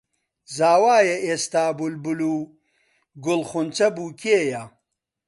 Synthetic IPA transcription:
zaːwaːjɐʔeːst̪aːbulbuluː | ɡʊlχʊnt͡sɐbuːkʰeːjɐ

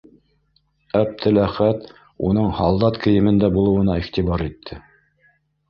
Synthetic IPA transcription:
æb̚t̪ɘlæχæt̪ | ṵnɤɴhɑlˠd̪ɑt̪kʰɘ̆jɘ̆mɘ̆nd̪æbulˠɤ̆wɤ̆nɑiχt̪iβɑɾit̪ʰːɘ

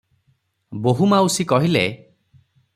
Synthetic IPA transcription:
boɦumawsikɔɦile

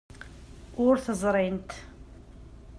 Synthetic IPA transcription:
ʊɾθəzˤɾˤint̪

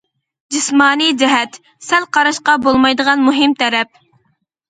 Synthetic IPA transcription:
d͡ʒɪsmɑːnijd͡ʒɛɦɛt̪ | sɛlqʰɑɾɑʃqɑbolˠmɑjd̪əʁɑnmuɦɪmt̪ʰɛɾɛp̚

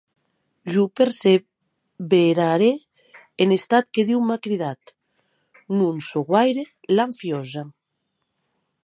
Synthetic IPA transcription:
ʒupeɾse | βeɾaɾeː | nest̪at̪keðiwmakɾiðat̪ | nunsoɣwajɾe | laɱfjɔza

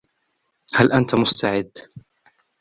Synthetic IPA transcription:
halʔant̪amʊst̪ʰaʕɪd̪ː

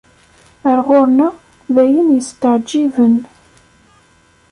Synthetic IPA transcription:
əɾʁʊɾnæ | ðæjənjəst̪əʕd͡ʒːivən

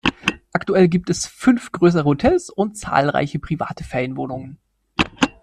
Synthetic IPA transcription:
ʔaktuɛlɡiːp̚tɛsfʏnfɡ̥ʁøːs̬əʁəhotʰɛlsʊnt̚t͡sa̰ːlʁa̰ɪçəpʁ̥iva̰ːtəfɛɪnvoːnʊŋən

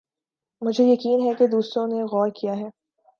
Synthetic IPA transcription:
mʊd͡ʒʱejɐkiːnɦɛked̪uːsɾõneɣɔːɾkijaɦɛː

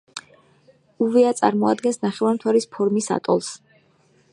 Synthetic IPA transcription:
uvɛat̪sʼa̰ɾmɔad̪ɡɛnsnaχɛvant̪ʰwaɾispʰɔɾmisa̰t̪ʼɔ̰lˠs

